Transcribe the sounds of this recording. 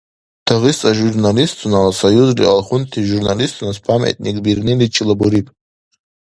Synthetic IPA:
tʰaʁist͡sʼaʒurnalistt͡sʷʰʼunalasajuzrḭalχʊntʰiʒurnalistʰʼunaspʰamḛtʼnikʼbirnɨlit͡ʃʰilabuɾipʼ

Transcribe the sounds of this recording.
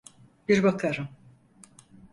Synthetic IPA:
biɾbakʰaɾɯm

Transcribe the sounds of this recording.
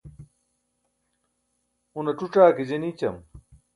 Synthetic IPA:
unɐʈ͡ʂuʈ͡ʂaːked͡ʑenit͡ɕɐm

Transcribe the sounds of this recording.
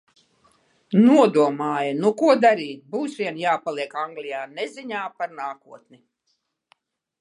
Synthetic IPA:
nuɔd̪uɔmaːjanukuɔd̪aɾiːt̪̚ʲbuːsʋʲiɛnjaːpalˠiɛkaŋɡlʲijaːnɛziɲaːpaɾnaːkuɔt̪ni

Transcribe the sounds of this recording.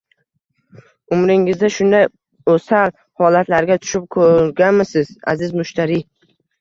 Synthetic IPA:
ʊmɾɪŋɪzd̪aʃʊnd̪aj | osal | hɒlat̪laɾɡʲat̪ʰʊ̥ʃɪp̚kʰɵɾɡʲanmɪsɪz̥a̰zɪzmʊʃt̪ʰaɾi

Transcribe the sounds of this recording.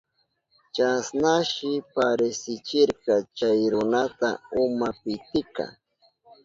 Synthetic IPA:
t͡ʃasnaʃɪpaɾesɪt͡ʃɪɾkɑt͡ʃajɾʊnat̪a̰ʊmapɪt̪ɪka̰

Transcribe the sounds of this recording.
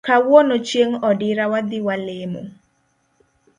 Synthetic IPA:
kawɔnot͡ʃjeŋɔdɪɾawad̪ɪwalemo̰

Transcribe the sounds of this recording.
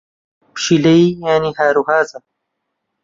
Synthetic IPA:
pʃilɐijaːnihaːɾuhaːzɐ

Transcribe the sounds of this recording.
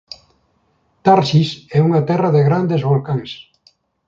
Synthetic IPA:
t̪aɾsisɛuŋat̪ɛrɐðeɣɾand̪ezβolkaŋs

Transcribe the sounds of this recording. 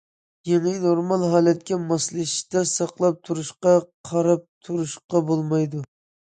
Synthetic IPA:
jenɪnoɾmɑlˠɦɑːlɛt̪̚kʲɛmɑslˠɨʃd̪ɛsɑqlˠɑp̚t̪ʰuɾuʃqɑqʰɑɾɑp̚t̪ʰuɾuʃqɑbolˠmɑjd̪u

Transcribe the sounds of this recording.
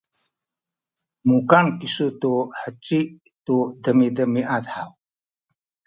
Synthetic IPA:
mukankisutuħət͡ʃiʔtudəmidəmiʔat̪ħaw

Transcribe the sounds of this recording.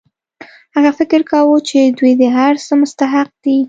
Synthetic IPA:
haɣafɪkɪɾkawut͡ʃed̪wujd̪əɦaɾsəmʊst̪aɦaq̚d̪i

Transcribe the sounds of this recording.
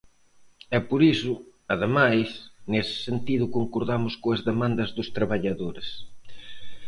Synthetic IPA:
ɛpoɾisʊɐðemajsnesɪ̥sent̪iðʊkoŋkoɾðamʊskoɐzðemãnd̪ɐzðʊst̪ɾaβaʎaðoɾes

